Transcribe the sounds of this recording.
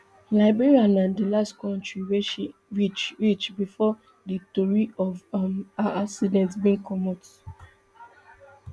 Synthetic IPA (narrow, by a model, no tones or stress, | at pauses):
laɪbiɹianãndilastkʰɔ̃ntɹiwɛʃɹit͡ʃɹit͡ʃbifɔ | ditɔɹiɔvmaaksidɛ̃ntsbĩnkɔmɔt